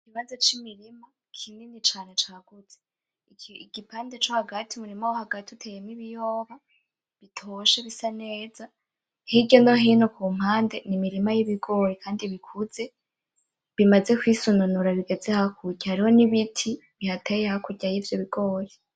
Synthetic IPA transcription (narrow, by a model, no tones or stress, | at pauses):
ikiβazot͡ʃimiɾima | kʰinenit͡ʃaɾat͡ʃaɡ̥ud͡z̥e | ɡipaːnde̞t͡ʃo̞haɡatʰimuɾimawohaɡatiutʰejemiβijoːβa | βitʰoʃeβisaneːza | hiɟono̞ɦiːnokuːm̥haːnde̞nimiɾimajiβiɡo̞ːɾekʰaːndiβikʰuz̥e̞ | βimaze̞kwisununuɾaβiɡe̞d͡zehakʰuɟahaɾiho̞niβitʰiβihatejehakuɟajivjoβiɡ̥o̞ːɾe